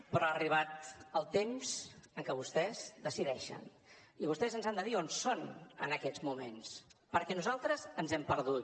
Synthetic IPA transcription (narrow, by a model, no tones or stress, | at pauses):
pɾɔəriβat̪əlˠt̪emz̥əŋkəβust̪ɛzd̪əsiðɛʃə̰n | iβust̪ɛzənzand̪əðionsonə̰nəkɛd͡zmumenspəɾkɛnuzalˠt̪ɾəzənzɛmpəɾðut̪